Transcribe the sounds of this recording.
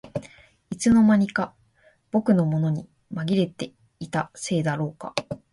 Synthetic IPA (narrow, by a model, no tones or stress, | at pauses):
it͡sɨno̞maɲ̟ika | b̥o̞kɯ̟no̞mo̞no̞ɲ̟i | maɡʲiɾe̞t̪e̞ | it̪ase̞ːd̪aɾo̞ːka̰